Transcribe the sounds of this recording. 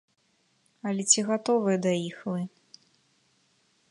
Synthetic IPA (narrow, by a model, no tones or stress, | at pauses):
ɐlʲɛt͡sʲiɣat̪ɔvɨjɐd̪ɐixlɨ